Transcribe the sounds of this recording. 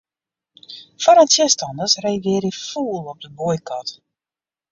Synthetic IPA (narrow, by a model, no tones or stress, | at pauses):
fɔɾantɪstɑndəsrejʋɪːɾifuːlˠɔp̚dəbojkɑt